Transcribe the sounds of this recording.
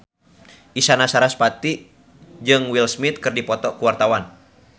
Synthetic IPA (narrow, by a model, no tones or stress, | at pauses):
ʔisanasaɾaspat̪i | d͡ʒɨŋwilsmit̪̚kɨrdipɔt̪ɔkuwart̪awan